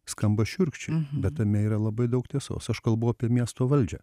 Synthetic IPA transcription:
skɐmbɐʃʲʊɾʲkʃʲt͡ʃʲɛbʲɛt̪t̪ɐmʲɛiːɾɐlˠɐbɐɪd̪ɐʊkt̪ʲiɛso̰ːsɐʃkɐlˠbʊɐpʲiɛmʲiɛst̪oːʋɐlʲd͡ʒʲɛ̰

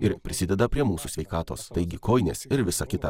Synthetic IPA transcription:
ɪɾpʲɾʲɪsʲɪd̪ʲɛd̪ɐpʲɾʲiɛmuːsusʲʋʲɛɪkɑːt̪oːst̪ɐɪɡʲɪkʰoːɪnʲḛːsɪɾʋʲɪsɐkʲɪt̪ɐ

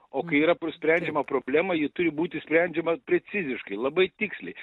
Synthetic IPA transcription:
oːkɐɪiːɾɐpsʲpʲɾʲænʲd͡ʒʲɛmɐpɾoːbʲlʲæːmɐjɪt̪ʊɾʲɪbuːt̪ʲɪsʲpʲɾʲɛnʲd͡ʒʲɛmɐpʲɾʲɛt͡s̪ʲɪzʲɪʃkɐɪlˠɐbɐɪt̪ʲɪksʲlʲɛ̰ɪ

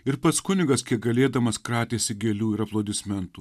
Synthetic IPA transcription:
ɪɾpɐt̪skʊnʲɪɡɐskʲiɛk̚ɡɐlʲeːd̪ɐmɐskɾɑːt̪ʲeːsʲɪɡʲɛlʲuːɪɾɐplˠoːd̪ʲɪsʲmʲɛnt̪uː

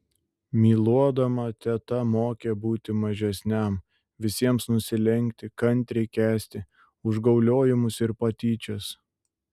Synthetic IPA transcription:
mʲiːlˠuɔd̪ɐmɐt̪ʲɛt̪ɐmoːkʲebuːt̪ʲɪmɐʒʲɛsʲnʲɛˑm | ʋʲɪsʲiɛmsnʊsʲɪlʲɛŋʲkt̪ʲɪkɐnʲt̪ʲɾʲɛɪkʲæːsʲt̪ʲɪ | ʊʒɡɐʊlʲoːjɪmʊsɪɾpɐt̪ʲiːt͡ʃʲɛs

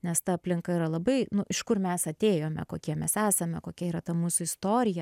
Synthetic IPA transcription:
nʲɛst̪ɐɐpʲlʲɪŋkɐiɾɐlˠɐbɐɪnʊʔɪʃkʊrmʲɛsɐt̪ʲeːjoːmʲɛ̰koːkʲiɛmʲɛsæːsɐmʲɛkoːkʲɛiːɾɐt̪ɐmuːsʊɪst̪oːɾʲɪjɛ

